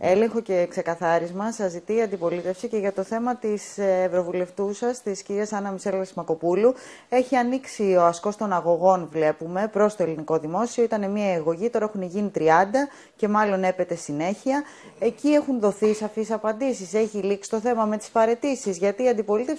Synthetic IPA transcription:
e̞le̞ŋxo̞ce̞kse̞kɐθɐɾizmɐsɐzit̪iːɐnd̪ipo̞lit̪e̞fsice̞ʝɐt̪o̞θe̞mɐt̪isːvɾo̞vule̞ft̪usɐst̪isciɾiɐsɐnɐmise̞lesmɐko̞pulu | e̞çiɐniksio̞ɐsko̞st̪o̞nɐɣo̞ɣo̞nvle̞pume̞pɾo̞st̪o̞e̞liniko̞ðimo̞sio̞it̪ɐne̞miɐiɣoʝit̪o̞ɾɐexuneʝinit̪ɾiɐnd̪ɐ | ce̞mɐlo̞ne̞pe̞t̪e̞sine̞çiɐ | e̞cie̞xunðo̞θisɐfisɐpɐnd̪isise̞çiliksi̥t̪o̞θe̞mɐme̞t̪i̥sfɐɾe̞t̪isizʝɐt̪iːɐnd̪ipo̞lit̪ef

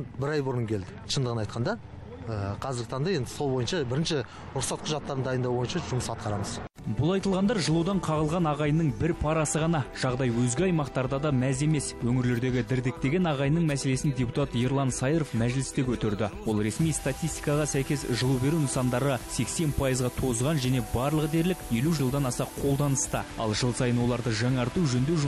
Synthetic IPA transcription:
nbɪɾɑjbʊɾəŋkʲʰe̞ld̪ɪʃʰənd̪əʁənɑjt̪̚qʰɑnd̪ɑ | əqʰɑzɪɾɡɪt̪ʰɑɴd̪ɑje̞nd̪ɪso̞lˠbo̞jənʃɑbɪɾɪnʃɪ | ɾʊqsɑt̪̚qʰʊʒɑt̪ːɑɾənd̪ɑjənd̪ɑwbo̞jənʃɑʒʊməsɑt̪̚qɑɾɑməz | bʊlˠɑjt̪əlˠʁɑnd̪ɑɾʒəlˠud̪ɑɴqʰɑʁəlˠʁɑnɑʁɑjnəɴbɪɾpʰɑɾɑsəʁɑnɑʒ̥ɑʁd̪ɑjwɵzɡʲɪɑjmɑqt̪ɑɾd̪ɑd̪ɑmæze̞me̞swɵŋɪɾle̞ɾd̪e̞ɡʲɪd̪ɪɾd̪ɪk̚t̪e̞ɡʲe̞nɑʁɑjnəɴmæse̞le̞sɪnd̪ʲe̞put̪ɑt̪jeɾlˠɑnsɑjɾofmæʒlɪst̪ekʰʲɵt̪ɪɾd̪ɪwo̞lˠɾe̞smijst̪at̪ʲijst̪i̥jkɑʁɑsæjkʲe̞sʒəlˠube̞ɾunsɑnd̪ɑɾəse̞kse̞npʰɑjəzʁɑt̪ʰo̞zʁɑnʒæne̞bɑɾlˠəqd̪e̞ɾlɪkje̞luʒəlˠd̪ɑnɑsɑqʰo̞lˠd̪ɑnəst̪ə̰ɑ̰lˠʒəlˠsɑjənwo̞lˠɑɾd̪əʒɑŋɑɾt̪uʒɵnd̪e̞wʒ

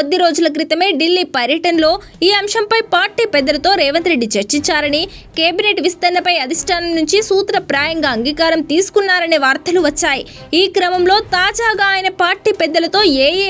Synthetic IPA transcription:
od̪ːiɾo̞ːd͡ʒulɐk̬ɾit̪ɐme̞ːɖilːiːpɐɾjɐʈɐnɐlo̞ː | iːɐmʃɐmpɐjpaːɾʈiːpɛd̪ːɐlɐt̪o̞ːɾɛːʋɐnt̪ɾe̞ɖːit͡ʃeɾt͡ʃiɲt͡ʃaːɾɐnikeːbineːʈʋist̪ɐnlɐpɐjɐd̪ʱiʂʈʰaːnɐmnuɲt͡ʃisuːt̪ɾɐpɾaːjɐŋɡaːɐŋɡiːkaːɾɐmt̪iːsu̥kunːaːɾɐneːʋaːɾt̪ɐluʋɐt͡ʃːaːjiiːkɾɐmɐmlo̞ːt̪aːd͡ʒaːɡaːjinɐpaːɾʈiːpɛd̪ːɐlɐt̪o̞ːeːjeː

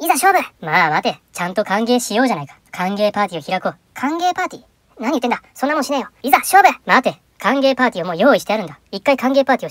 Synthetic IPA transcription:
izaɕo̞ːbɯmaːmat̪e̞t͡ɕãnt̪o̞kãŋɡe̞ːɕijo̞ːʑanaikḁkʰãŋɡe̞ːpaːt̪ʲio̞çiɾakoː | kʰãŋɡe̞ːpaːt̪ʲḭ | naɲi̟t̪ːend̪aso̞nːmonɕinẽjoizaɕo̞ːbɯmat̪e̞ | kʰãŋɡe̞ːpaːtʲiomo̞ːjo̞ːiɕi̥t̪e̞aɾɯ̟nd̪aikːaikãŋɡe̞ːpaːt̪ʲio

